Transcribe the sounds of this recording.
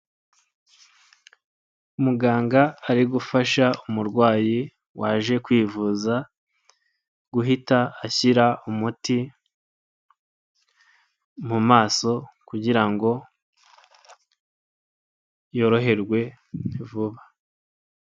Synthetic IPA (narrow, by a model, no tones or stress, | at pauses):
umuɡaːŋɡaːɾiɡufaʃaumuɾɡwaːji | waːʒe̞kwiːvuza | ɡ̥uɦitaːçiɾaumuti | mumaːso̞kuɟiɾaŋɡo̞ | jo̞ːɾo̞ɦe̞ɾɡwe̞ | nivuβa